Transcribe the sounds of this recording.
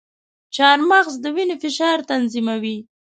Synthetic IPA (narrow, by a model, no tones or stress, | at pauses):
t͡ʃɑɾmaɣzd̪əwinefɪʃɑɾt̪anzimawi